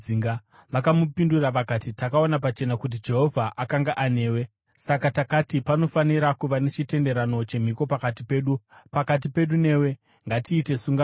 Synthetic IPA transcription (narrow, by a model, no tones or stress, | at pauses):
iŋɡa | ʋakamupinduraʋakatitakao̞nap̬at͡ʃe̞nakut̬id͡ʒe̞ɦo̞vʱaʔakaŋɡaʔane̞ːwe̞ | sakatakatipano̞faniɾakuʋane̞t͡ʃite̞nde̞ɾano̞t͡ʃe̞m̤iko̞pakat̬ipe̞ːɗupakat̬ipe̞ɗune̞we̞ | ŋɡatiːte̞suŋɡa